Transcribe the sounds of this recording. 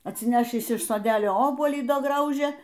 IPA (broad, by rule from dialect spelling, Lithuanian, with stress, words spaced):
ɐtʲsʲɪˈnʲæːʃʲiːs ɪʃ soːˈdʲæːlʲoː ˈoːbuɔlʲiː ˈdɐ ˈɡrɐʊʒʲeː